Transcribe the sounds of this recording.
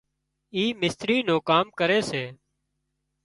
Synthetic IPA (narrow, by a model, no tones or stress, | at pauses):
iːmɪst̪ɾiːnõːkaːmkəɾeːseː